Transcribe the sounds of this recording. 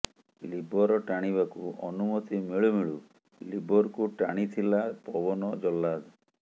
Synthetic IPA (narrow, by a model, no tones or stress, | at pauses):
libʱɔɾɔʈaɽ̃iβakuʔɔnumɔt̪imiɭumiɭu | libʱɔɾkuʈa̰ɽ̃it̪ʰilapɔbɔnɔd͡ʒɔlːad̪